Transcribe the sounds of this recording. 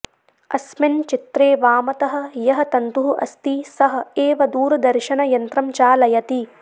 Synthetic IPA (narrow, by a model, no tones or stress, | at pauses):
ɐ̰smɪnt͡ʃit̪ɾeːʋaːmɐt̪ɐɦɐ̆jɐɦɐ̆t̪ɐnt̪uɦuʔɐ̰st̪isɐɦɐ̆eːʋɐd̪uːɾɐd̪ɐɾʃɐnɐjɐnt̪ɾɐmt͡ʃaːlɐjɐt̪i